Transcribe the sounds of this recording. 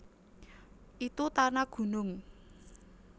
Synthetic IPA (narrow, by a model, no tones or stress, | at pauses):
ʔit̪ut̪anaɡ̥ṳnʊŋ